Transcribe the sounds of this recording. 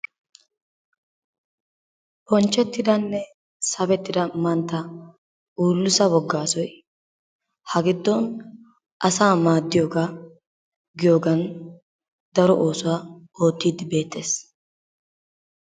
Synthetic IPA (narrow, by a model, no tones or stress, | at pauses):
pɔnt͡ʃːɛt̪ːɪd̪ɐnːɛ | sɐbɛt̪ːɪd̪ɐmɐnt̪ːɐ | ʔuːlːʊsɐwɔɡːaːsɔj | hɐɡɪd̪ːɔn | ʔɐsaːmaːd̪ːɪjoːɡa | ɡɪjoːɡɐn | d̪ɐɾɔʔoːsʊwaːo̞ːt̪ːiːd̪ɪbe̞ːt̪ːe̞ːs